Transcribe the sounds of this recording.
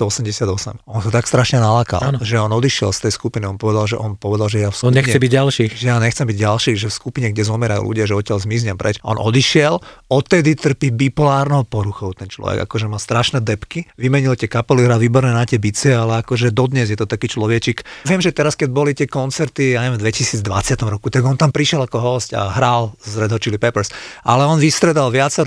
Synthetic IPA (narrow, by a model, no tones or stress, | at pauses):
t̪ɔɔsɛmɟɛsɪad̪ɔsɛ̰mɔnsat̪akst̪ɾaʃɲɛnalaːka̰lnʒɛɔnɔd̪iʃɪɛ̰lst̪ɛjskupiniɔnpɔʋɛd̪alʒɛ̰ʔɔnpɔʋɛd̪alʒɛjafskɲɛxɲɛbiɟalʃiːxʒɛjaːɲɛxt͡sɛmbiɟɟalʃiːʒɛfskupiɲɛɡɟɛzɔmɛɾajṵlʔṵɟɪaʒɛɔtɪalzmizɲɛmpɾɛt͡ʃaɔ̰nʔɔd̪iʃɪɛlɔt̪ːɛd̪it̪r̩pibipɔlaːɾnɔʊpɔɾuxɔʊt̪ɛnt͡ʃlɔ̰ʋɛ̰ɡa̰kɔʒɛmaːst̪ɾaʃnɛd̪ɛpkiʋimɛɲilt̪ɪɛkapɛliɦɾaːlʋiːbɔɾnɛːnat̪ɪɛbit͡siɛalɛakɔʒɛd̪ɔd̪ɲɛzjɛt̪ɔt̪akiːt͡ʃlɔʋɛt͡ʃikʋɪɛmʒɛt̪ɛɾaskɛɟ̚bɔlit̪ɪɛkɔnt͡sɛɾt̪ijaɲɛʋɛmvd̪ʋɛcisiːd͡zd̪ʋa̰t͡sɪat̪ɔmɾɔkut̪aɡɔnt̪ampɾiʃɛlakɔɦɔsca̰ɦɾalzɾɛd̪ɦɔt͡ʃilipɛpɛɾsʔalɛɔnʋist̪ɾɛd̪alʋɪat͡sɛɾ